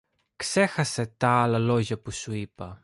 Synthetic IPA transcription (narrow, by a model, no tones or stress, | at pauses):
kse̞xɐse̞t̪ɐɐlɐlo̞ʝɐpusuipɐ